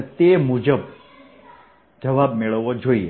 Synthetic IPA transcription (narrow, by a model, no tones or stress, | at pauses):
t̪emud͡ʒəb | d͡ʒəʋabmeɭəʋːod͡ʒoie